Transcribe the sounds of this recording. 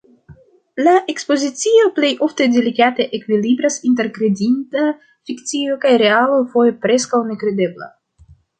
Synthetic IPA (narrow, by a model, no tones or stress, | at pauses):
laʔe̞kspo̞zit͡sio̞plejʔo̞fte̞delikateʔekvilibɾasint̬e̞ɾkɾe̞dinta | fikt͡sio̞kajɾe̞alo̞fo̞je̞pɾe̞skawne̞kɾe̞de̞bla̰